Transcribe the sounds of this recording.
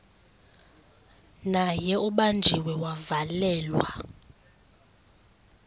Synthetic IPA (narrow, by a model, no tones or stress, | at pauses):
najɛuɓand͡ʒʱiwɛwavalɛːlwa̰